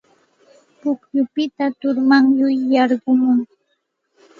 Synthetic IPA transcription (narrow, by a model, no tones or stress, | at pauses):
pʊkjʊpɪt̪at̪ʊɾmaŋjʊjːɑɾɢʊmʊŋ